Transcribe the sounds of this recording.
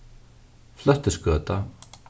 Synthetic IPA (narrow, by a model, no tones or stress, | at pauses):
fl̥œht̪əskœːt̪a